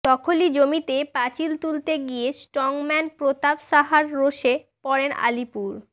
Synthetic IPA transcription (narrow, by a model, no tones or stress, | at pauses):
d̪̥ɔkʰolid͡ʑomit̪epat͡ɕilt̪ult̪eɡijesʈɾɔŋmɛnpɾot̪abʃaɦaɾːoʃe | pɔɾena̰lipuɾ